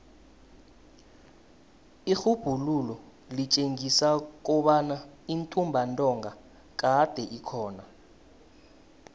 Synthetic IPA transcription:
ixub̥ʱululɔ | lit͡ʃʼeŋisak̬ɔɓanaintʼumbʱantʼɔŋɡa | k̬ʼad̥ʱɛʔikʰɔːna

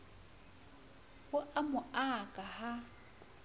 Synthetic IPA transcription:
hʊʔamʊakʼaha

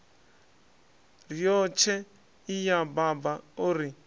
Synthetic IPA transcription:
rijɔt͡ʃʰɛ | ijababauɾi

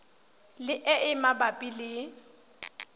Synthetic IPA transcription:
lɪʔɛʔɪmabapʼilɪ

